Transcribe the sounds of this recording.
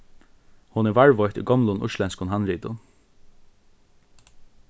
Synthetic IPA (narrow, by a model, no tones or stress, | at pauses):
hʊnɛːʋaɹʋɔʏt̪ḭːɡɔmlʊnʔʊ̰ʃlɛnskʊnɦɑnɾiːd̪ʊn